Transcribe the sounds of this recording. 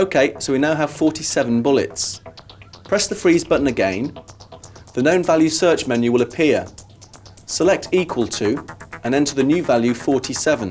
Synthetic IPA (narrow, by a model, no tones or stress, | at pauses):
oʊkʰeɪsəʊwinaʊəv̥fɔˑtʰisɛvə̃nbʊlɪ̰ts | pʰɹ̥ɛsðəfɹiːzbʌʔn̩əɡḛ̃ɪ̃n | ðənə̃ʊ̃nvaljʉ̥sɜˑt͡ʃmɛ̃njʉwɪləpʰɪə | səlɛk̚tʰiˑkʰwəlˠtʰʉːə̃nɛ̃ntʰəðənjʉːvaljʉfɔˑtʰisɛvə̃n